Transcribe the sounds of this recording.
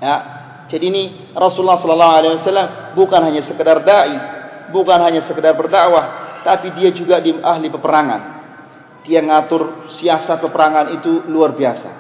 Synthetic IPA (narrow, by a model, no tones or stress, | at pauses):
ja | d͡ʒadiːni | rɔsuulːahsɔlɔlːaɦualaiwasalːambukanɦaɲasəkədardaibukanɦaɲasəkədarbərdaʔwaht̪apidiad͡ʒuɡadiaɦlipəpəɾaŋa̰n | t̪iaŋat̪ʊrsiasat̪̚pəpəɾaŋanit̪uluarbiasa̰